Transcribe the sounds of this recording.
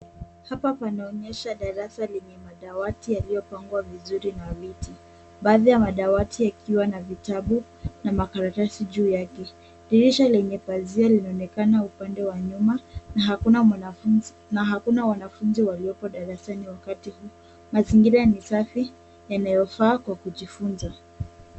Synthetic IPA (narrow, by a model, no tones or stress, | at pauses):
hapapanaɔɲɛʃaɗaɾasalɛɲɛmaɗawatijalijɔpaŋɡwavizuɾinaviti | ɓaːðijamaɗawatiakʰiwanavitaɓu | namakaɾatasiʄuːjakɛ | ɗiɾiʃalɛɲɛpazialinaɔnɛkanaupandɛwaɲumaaɦa | naɦakunawanafunziwaliɔpɔɗaɾasaniwakatihu | maziŋɡiɾanisafi | janajɔfaːkwakuʄifunza